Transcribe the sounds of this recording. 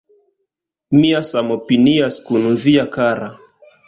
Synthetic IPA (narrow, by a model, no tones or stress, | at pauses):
miasamɔpiniaskunuviakaɾa